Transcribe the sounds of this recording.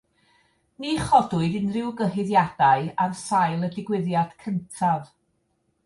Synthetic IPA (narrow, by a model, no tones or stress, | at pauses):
niːχɔdʊɨdɨnrɪwɡəɦɪðjad̥aɨarsajlˠədɪɡwɪðjad̥kʰəntʰav